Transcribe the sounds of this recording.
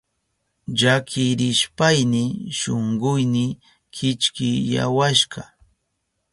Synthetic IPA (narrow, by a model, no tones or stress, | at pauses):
ʎakʰɪɾɪʃpajnɪʃoɴɢʊjnɪ | kʰɪt͡ʃkɪja̰waʃɢɑ